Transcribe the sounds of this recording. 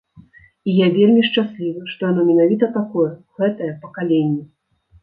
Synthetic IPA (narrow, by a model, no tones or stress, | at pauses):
ijavʲelʲmʲiʂt͡ʂasʲlʲivɐʂt̪ɔjanɔmʲɛnavʲit̪ɐt̪akɔjɛɣɛt̪ɐjɛpɐkalʲenʲːɛ